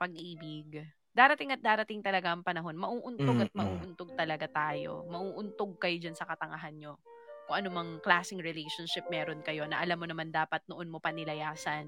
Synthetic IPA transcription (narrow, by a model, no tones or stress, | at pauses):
pɐɡ̚ʔiːbɪɡ̚ | d̪aːɾɐt̪ɪŋɐt̪̚d̪aːɾɐt̪ɪŋt̪ɐlɐɡaʔɐŋpɐnɐɦo̞nmɐʔuːʔʊnt̪oɡɐt̪̚mɐʔuːʔʊnt̪oɡ̚t̪ɐlɐɡat̪aːjo̞̰mɐʔuːʔʊnt̪oɡ̚kɐjod͡ʒɐnsɐkɐt̪ɐŋɐɦanɲo̞ | kʊŋʔɐnomɐŋklaːsɪŋɹɪlɛjʃonʃɪp̚mɛːɾo̞nkɐjo̞nɐ̰ʔɐlamːonɐmand̪aːpɐt̪̚noʔonmo̞pɐnɪlɐjaːsɐn